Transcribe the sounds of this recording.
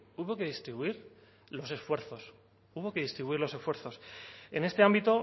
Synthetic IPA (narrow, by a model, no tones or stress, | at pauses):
uβo̞ke̞ðist̪ɾiβuiɾ | lo̞se̞sfwe̞ɾθo̞s | uβo̞ke̞ðist̪ɾiβuiɾlo̞se̞sfwe̞ɾθo̞se̞̰ne̞st̪e̞ambit̪o̞